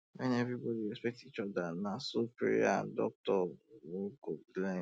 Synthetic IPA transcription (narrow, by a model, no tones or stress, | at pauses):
mɛ̃nievibɔdiɹɛspɛk̚tit͡ʃɔdanãsopḛɾḭã̰dɔ̰k̚tɔwoɡoɡlɛ̃